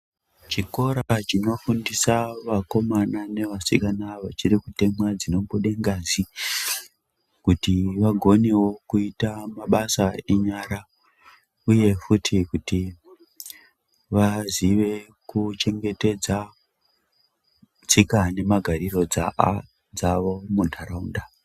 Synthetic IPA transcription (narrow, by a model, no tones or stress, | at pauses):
t͡ʃiko̞ɾat͡ʃino̞fundisaʋako̞manane̞ʋasikanaʋat͡ʃirikute̞mad͡zino̞mbuɗeŋɡazi | kutiʋaɡʱo̞ne̞wo̞kuitamaɓasaeɲaɾa | uje̞futʰikuti | ʋaziʋe̞kut͡ʃe̞ŋɡe̞te̞d͡za | t͡sikane̞maɡʱaɾiro̞d͡za | d͡zaʋo̞muntʰaɾaunda